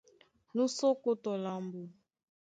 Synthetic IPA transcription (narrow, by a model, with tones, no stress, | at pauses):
nu˦so˦ko˦tɔ˨la˨mbu˨